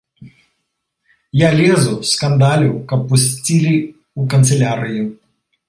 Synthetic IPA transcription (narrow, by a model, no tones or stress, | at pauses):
jalʲezʊskɐnd̪alʲʊkɐpːʊsʲtʲilʲi | ukɐnt̪sɨlʲaɾɪjʊ